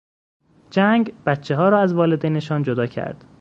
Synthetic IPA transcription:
d͡ʒæŋɡb̥æt̪t͡ʃʰːeɦɒːɾɒːæzvɒːled̪ejneʃɒːnd͡ʒod̪ɒːcʰæ̰ɾd̪̥

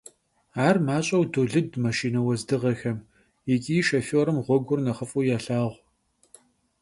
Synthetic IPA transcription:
aːrmaːɕʼɐwdoːɮɨdmɐʃiːnɐwɐzdɨʁɐxɐm | jɪtʲʼiːʃɐfoːɾɨmʁʷɔɡʷʊrnɐχəfʼujaːɬaːʁʷ

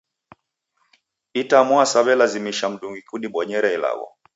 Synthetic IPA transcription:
itamwasaβɛlazimiʃam̩ɗuŋɡikuɗiɓɔɲɛɾaila̰ɣɔ̰

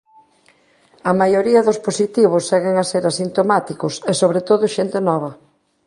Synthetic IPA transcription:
ɐmajoɾiɐðʊsposit̪iβ̞ʊsːɛɣeŋaseɾasint̪omat̪ikʊsesoβɾet̪oðʊʃent̪enɔβ̞ɐ

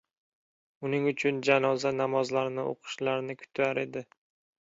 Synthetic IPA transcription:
ʊnɪŋʊt͡ʃʰʊnd͡ʒanɒzanamɒzlaɾnɪʔo̰qʰɨ̥ʃlaɾnɪkʰʊ̥t̪ʰaɾe̞d̪ɪ

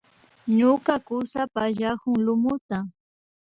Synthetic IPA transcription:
ɲʊkakʊsapaʒakʊŋlʊmʊt̪a

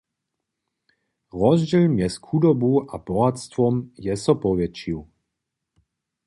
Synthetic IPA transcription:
ʁɔzd͡ʒɛlmjɛskxud̪ɔbuabɔɦat̪st̪ʋɔmjɛsɔpɔʋɛt͡ʃiw

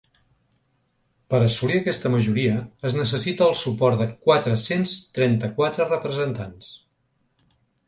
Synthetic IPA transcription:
pəɾəsuliəkɛst̪əməʒuɾiəːznəs̬əsit̪əːlˠsupɔɾt̪ðəkwat̪ɾəsenst̪ɾɛnt̪əkwat̪ɾərəpɾəzənt̪ans

